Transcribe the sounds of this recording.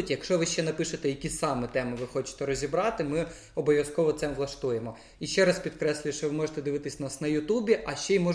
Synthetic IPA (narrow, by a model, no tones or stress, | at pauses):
tʲjɐkʃɔʋɪʃt͡ʃɛnɐpɪʃet̪ɛjɐkʲisɑmɛt̪ɛmɪʋɪxɔt͡ʃɪ̥t̪ɛɾɔzʲibɾɑt̪ɪmɪ | ɔbɔʋʲjɐskɔʋɔt̪sɛmʋlˠɐʃt̪ujemɔ | iʃt͡ʃɛɾɑspʲid̪kɾɛsʲlʲʊʃt͡ʃɔʋɪmɔʒet̪ɛd̪ɪʋɪt̪ɪsʲnɑsnɐjʊt̪ubʲiʔɐʃt͡ʃɛjimɔ